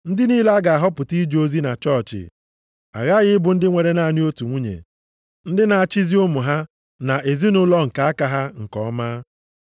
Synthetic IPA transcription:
n̩˦dɪ˦niː˦la˦ɡa˨a˨ɦɔ˦pʊ˨ti˦d͡ʒo˦zi˦na˨t͡ʃɔ˦˨t͡ʃɪ̰˨ | a̰˨ɣa˦ɣɪ˦bʊ˨n̩˦dɪ˦ŋʷe˨ɾe˦na˦a˨ni˦o˦tu˨ŋʷu˦ɲḛ˨ | n̩˦dɪ˦na˨a˨t͡ʃi˦zi˦ʊ˦mʊ˨ɦa˦ | na˨ʔe˨zi˦nʊ˦lɔ˦ŋ̩˨ka˨a˦ka˨ɦa˦ŋ̩˨kɔ̰˦maː˦

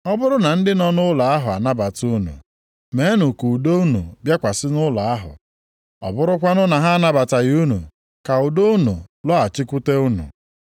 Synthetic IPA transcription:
ɔ˦bʊ˦ɾʊ˦na˨n̩˦dɪ˦nɔ˦nʊ˦lɔ˨a˦ɦʊ˨a˨na˦ba˨tu˦nṵ˨ | me˨˦nʊ˨ku˨do˦u˦nṵ˨bja˦kʷa˨sɪ˦nʊ˦lɔ˨a˦ɦʊ̰˨ | ɔ̰˨bʊ˦ɾʊ˦kʷa˦nʊ˦na˨ɦa˦na˦ba˨ta˨ju˦nṵ˨ | ka˨ʊ˨do˦u˦nu˨lɔ˦a˨t͡ʃɪ˦kʷʊ˦te˦u˦nṵ˨

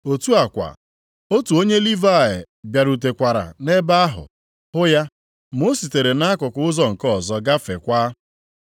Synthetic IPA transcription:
o˨tu˦a˨kʷa̰˨ | o˦tu˨o˦ɲe˦li˦va˦˨ɪ̰˨ | bja˨ɾu˨t̬e˨kʷa˨ɾa̰˨ne˦ba˦a˦ɦʊ̰˨ | hʊ˦ja˦ | mo˦si˨te˨ɾe˨na˦kʊ˨kʊ˦ʊ˦zɔ˦ŋ̩˨kɔ˦˨zɔ˦ɡa˦fe˨kʷa˦

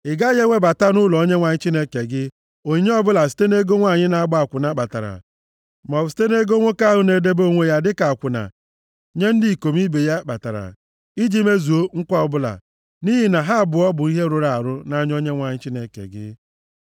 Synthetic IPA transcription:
ɪ˨ɡa˦je˦ŋʷe˦ba˨ta˦nʊ˦lɔ˨o˦ɲe˦ŋʷa˨ɲɪ˦t͡ʃi˦ne˦ke˨ɡɪ˦ | o˨ɲe˦ɔ˦bʊ˦la˨si̥˨te˦ne˦ɡo˦ŋʷa˦˨ɲɪ˦na˨a˦ɡ͡ba˦a˨kʷʊ˨na˦k͡pa˨ta̰˨ɾa̰˨ | mɔ˨bʊ˨si̥˨˦te˦ne˦ɡo˦ŋʷo˦ka˦ɦʊ˦ne˨de˦bo˦˨ŋʷe˦ja˦dɪ˦ka˨a˨kʷʊ˨na̰˨ | ɲe˦n̩˦di˦˨ko˨mi˦be˨ja˦k͡pa˨ta̰˨ɾa̰˨ | i˦d͡ʒi˦me˦zu˨o˦ŋ̩˦kʷɔ˦ɔ˨bʊ˦la̰˨ | ni˦ɦɪ˨na˨ɦa˦˨bʊ˨ɔ˦bʊ˨i˦ɦe˦ɾʊ˨ɾa˨a˨ɾʊ˦na˦ɲ˦o˦ɲe˦ŋʷa˨ɲɪ˦t͡ʃi˦ne˨kḛ˨ɡɪ̰˦

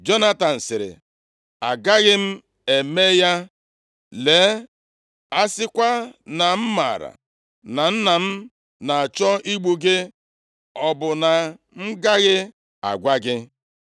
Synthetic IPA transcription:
d͡ʒo˦na˦ta˨n̩˨sɪ˨ɾɪ̰˨ | a˨ɡa˦ɣɪ˦m̩˦ | e˨me˦ja˦ | le˨˦ | a˦sɪ˦kʷa˦na˨m̩˦ma̰˨ɾa̰˨ | na˨n̩˦na˨m̩˦ | na˨a˨t͡ʃɔ˦ʔi˦ɡ͡bu˦ɡe˦ | ɔ˨bʊ˨na˨ | ŋ̩˦ɡa˦ɣɪ˦ | a̰˨ɡʷa˦ɡɪ˦

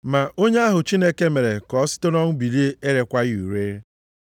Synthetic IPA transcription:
ma˨ʔo˦ɲe˦a˦ɦʊ˨t͡ʃi˦ne˦ke˦me˨ɾe˨kɔ˨˦sɪ̥˦tʊ˦nɔ˦ŋ̩˦bi˨ɾe˦e˦ɾe˨kʷa˦ɣu˨ɾe˦

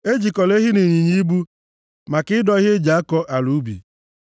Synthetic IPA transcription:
e˦d͡ʒi˨kɔ˨le˦ɦɪ˦ne˨ɲi˨ɲi˦bu˦ | ma˨kɪ˦dɔ˦ɣe˦d͡ʒa˨a˦kɔ˦ʔa˨lu˨˦bḭ˨

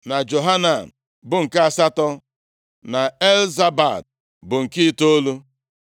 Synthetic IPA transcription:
na˨d͡ʒo˨ɦa˦na˨n̩˨ | bʊ˨ŋ̩˨ka˦a˨sa˦tɔ˦ | na˨e˦lza˦ba˨d̚ | bʊ˨ŋ̩˨ki˦to˦lu˦

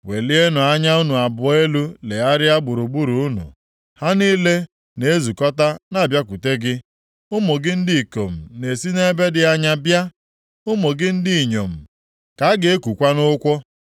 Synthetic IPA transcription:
we˨li˦e˦nʊ˨a˦ɲa˦u˦nu˨a˨bʊ˨e˦lu˦le˨a˦ɾɪ˦a˦ɡ͡bʊ˨ɾu˨ɡ͡bu˦ɾu˨ʊ˦nṵ˨ | ha˦niː˦le˦ | ne˨e˦zu˨kɔ˦ta˦na˨bja˦kʷu˨te˦ɡɪ˦ | ʊ˦mo˨ɡɪ˦n̩˦dɪ˦i˨ko̰˨m̩˨ne˨si˦ne˦be˦dɪ˨a˦ɲa˦bja˦ | ʊ˦mo˨ɡɪ˦n̩˦dɪ˦i˨ɲo̰˨m̩˨ | ka˨a˦ɡe˨e˦ku˨kʷa˦nʊ˦kʷɔ˦

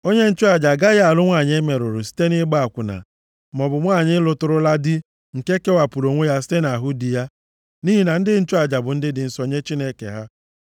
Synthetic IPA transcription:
o˦ɲe˦n̩˦t͡ʃʊ˦a˨d͡ʒa˨ɡa˦ɣa˨lʊ˦ŋʷa˦˨ɲe˦me˨ɾʊ˨ɾʊ˨si̥˦te˦nɪ˦ɡ͡ba˦a˨kʷʊ˨na̰˨ | mɔ˨bʊ˨ŋʷa˦˨ɲɪ˦lʊ˦tʊ˦ɾʊ˦la˦dɪ˦ | ŋ̩˨ke˦ke˦wa˨pu˨ɾo˨ŋʷe˦ja˦s̬i̥˦te˦na˨ɦʊ˦di˨ja˦ | ni˦ɦi˦na˨n̩˦dɪ˦n̩˦t͡ʃʊ˦a˨d͡ʒa˨bʊ˨n̩˦dɪ˦dɪ˨n̩˦sɔ˦ɲe˦t͡ʃi˦ne˦kḛ˨ɦa˦

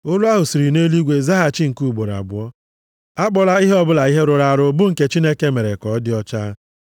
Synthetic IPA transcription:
ʊ˦lʊ˦a˦ɦʊ˨si˨ɾi˨neː˦li˦ɡʷe˨za˦ɦa˨t͡ʃi˦ŋ̩˨ku˦˨ɡ͡bo˨ɾa̰˨bʊ˨ɔ˦ | a˦k͡pɔ˦la˦i˦ɦe˦ɔ˦bʊ˦la˨i˦ɦe˦ɾʊ˨ɾa˨ɾʊ˦bʊ˦ŋ̩˨ke˦t͡ʃi˦ne˦ke˦me˨ɾe˨kɔ˨˦dɪ˦ɔ˦t͡ʃa˦

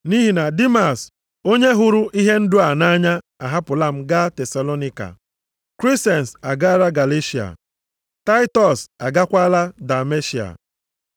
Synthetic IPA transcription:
ni˦ɦi˨na˨di˦ma˨s | o˦ɲe˦ɦʊ˦ɾʊ˦ʔi˦ɦe˦n̩˦dʊ˦a˨na˦ɲa˦ | a˨ɦa˦pʊ˨la˦m̩˦ɡa˦te˨sa˨lo˦ni˦ka̰˨ | kɾi˦ste˨n̩˨sa˨ɡa˦a˦ɾa˦ɡa˨le˦ʃi˨a̰˨ | ta˦ɪ˦tɔ˨sa˨ɡa˦kʷa˦la˦da˨me˦ʃi˨a̰˨

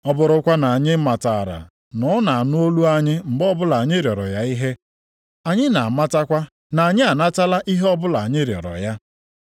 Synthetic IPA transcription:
ɔ˦bʊ˨ɾʊ˨kʷa˦na˨a˨ɲɪ˦ma˨ta˨ɾa̰˨ | nɔ˨˦na˨a˨nʊ˦o˦lu˦a˦ɲɪ˦m̩˨ɡ͡bɔ˦bʊ˦la˨ɲɪ˦ɾjɔ˨ɾɔ̰˨ja˦i˦ɦe˦ | a˨ɲɪ˦na˨ma˦ta˦kʷa˦ | na˨ɲɪ˦a˨na˦ta˦la˦ʔi˦ɦe˦ɔ˦bʊ˦la˨ɲɪ˦ɾjɔ̰˨ɾɔ̰˨ja˦

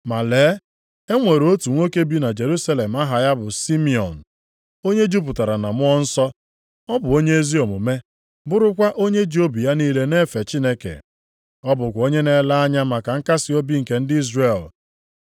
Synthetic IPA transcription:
ma˨leː˨˦ | e˦ŋʷe˨ɾo˦tu˨ŋʷo˦ke˦bi˦na˨d͡ʒe˨ɾu˦sa˦le˨m˦a˦ɦa˨ja˦bʊ˨si˦mi˨ɔ̰˨n̩˨ | o˦ɲe˦d͡ʒu˦p̬ʊ˨ta˨ɾa˨na˨m˦ɔ˦n̩˦sɔ˦ | ɔ˦bʊ˨o˦ɲe˦e˦zi˦ɔ˨mʊ˨me˦ | bʊ˦ɾʊ˦kʷa˦ʔo˦ɲe˦d͡ʒo˦bi˨ja˦niː˦le˦ne˦fe˨t͡ʃi˦ne˦kḛ˨ | ɔ˦bʊ˨kʷo˦ɲe˦ne˨la˦a˦ɲa˦ma˨ka˨ŋ̩˦ka˦sɪ˨˦o˦bi˦ŋ̩˨ke˨˦n̩˦dɪ˦i˦zre˨l

